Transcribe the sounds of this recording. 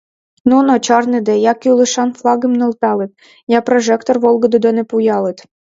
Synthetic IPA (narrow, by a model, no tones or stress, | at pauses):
nunot͡ɕɑrnɨd̪ɛjɑkiulˠɨʃɑnflˠɑɡɘmnŏlˠt̪ɑlˠɨt̪̚ | jɑpɾoʒɛkt̪orʋolˠɡod̪od̪ɔnɛpujɑlˠɨt̪